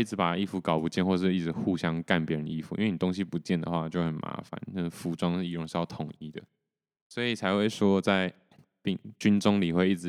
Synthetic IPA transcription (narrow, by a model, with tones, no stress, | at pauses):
i˥˩ʈ͡ʂɻ̩˧˥pa˨˩i˥fu˧˥kɑ˨˩ʊpu˧˦˥t͡ɕjɛ˥˧nxwɔ˥˧˩ʂɻ̩˥˧i˥˩ʈ͡ʂɻ̩˧˥xu˥˨ɕjɑ˥ŋka˥˨˩npjɛ˧˦ɻə˧˦nḭ˥˩fu˨i˥nwni˨˩t̪o˥ŋɕ̬i˧pu˨˧˦t͡ɕjɛ˥˩nd̪ə̰˨xwa˥˧t͡ɕjo˥˩ʊxə˨˩nma̰˧˥fa̰˨˦na˥˩fu˧˥ʈ͡ʂwɑ˥ŋʂ̩˥˧i˧ɻŋʂɻ̩˥˧jɑ˥˩ʊt̪ʰʊ˨˩ŋi˥˩d̪ə̰˨ | swɔ˧˥i˨˩t͡sʰa˧˥ɪxwe˥˩ɪʂwɔ˥t͡sa˥˧ɪ | pi˥˧ŋt͡ɕy˥nʈ͡ʂʊ˥ŋli˨˩xwe˥˧ɪi˥˩ʈ͡ʂ̩˧˦